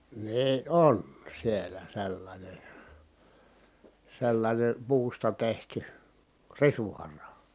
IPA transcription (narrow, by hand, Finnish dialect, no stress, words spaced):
niː ʔon sielæ selːɑnʲen̞ selːɑnʲen puːstɑ tehty risuhɑrɑ